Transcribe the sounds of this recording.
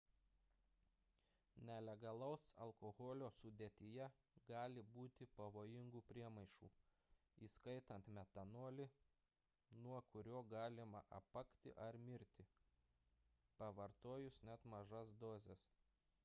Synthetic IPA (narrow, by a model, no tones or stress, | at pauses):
nʲɛlʲɛɡɐlˠɐʊsɐ̰lˠkoɣɔlʲoːsʊd̪ʲeːt̪ʲɪjɛ | ɡɑːlʲɪbuːt̪ʲɪpɐʋoːjɪŋɡuːpʲɾʲiɛmɐɪʃṵː | iːskɐɪt̪ɐnt̪mʲɛt̪ɐnuɔlʲɪ | nuɔkʊɾʲoːɡɑːlʲɪmɐ̰ʔɐ̰pɐkt̪ʲɪ̰ʔɐɾmʲɪɾʲt̪ʲɪ | pɐʋɐɾt̪oːjʊsnʲɛt̪mɐʒɐsd̪oːzʲɛs